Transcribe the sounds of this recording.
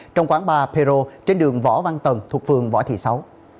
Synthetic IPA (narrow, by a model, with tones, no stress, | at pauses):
t͡ɕɔ˧wŋ͡mkwaː˨˦nɓaː˧˩pʰe˧zo˧t͡ɕe˧nɗɨ˨˩əŋvɔ̰˧˥va˧nt̪wə˨˩nt̪ʰu˨˩ək̚fɨ˨˩əŋvɔ̰˧˥t̪ʰḭ˧˨˩sa˨˦w